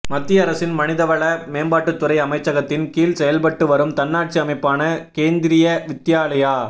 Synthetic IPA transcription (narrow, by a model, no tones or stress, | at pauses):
mɐt̪ːiɐɾɐsɪnmɐnɪðɐʋɐɭɐmeːmbaːʈːɯt̪ːɯɾɐɪɐmɐɪt͡ʃːɐɣɐt̪ːɪnkiːlsɛjɐlpɐʈːɯʋɐɾɯmt̪ɐnːaːʈ̚t͡ʃiɐmɐɪpːaːnɐkeːnd̪ɪɾɪjɐʋɪt̪ːjaːlɐjaː